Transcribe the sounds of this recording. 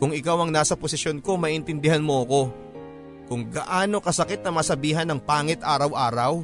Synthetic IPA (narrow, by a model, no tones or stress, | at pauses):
kʊŋɪkawɐŋnaːsɐposɪsjonko̞mɐʔɪnt̪ɪnd̪ɪɦanmo̞ʔɐko̞ | kʊŋɡɐʔaːno̞kɐsɐkɪt̪̚nɐmɐsɐbiːɦɐnɐŋpaːŋɛt̪ʔaːɾɐwʔaːɾɐw